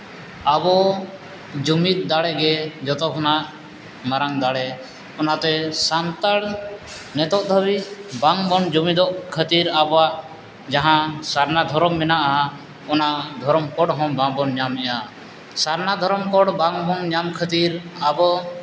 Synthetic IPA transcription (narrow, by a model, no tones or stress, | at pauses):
abɔ | d͡ʒumit̪̚d̪aɽɛɡɛd͡ʒɔt̪ɔkʰɔnaʔ | maɾaŋd̪aɽɛ | ɔnat̪ɛsant̪aɽ | nɛt̪ɔʔd̪ʱəβibaŋbɔnd͡ʒumid̪ɔʔkʰət̪iɾabɔaʔ | d͡ʒaɦãsaɾnad̪ʱɔɾɔmːɛnaʔa | ɔnaʔd̪ʱɔɾɔmkɔɽɦɔ̃bãŋbɔnɲamɛʔa | saɾnad̪ʱɔɾɔmkɔɽbaŋbɔnɲamkʰət̪iɾabɔ